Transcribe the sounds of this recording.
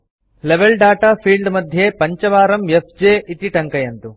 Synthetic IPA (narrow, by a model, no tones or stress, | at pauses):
leʋeɭɖaːʈaːpʰiːɭɖmɐd̪ʱjepɐɲt͡ʃɐʋaːɾɐmjepʰd͡ʒeːʔit̪iʈɐŋkɐjɐnt̪u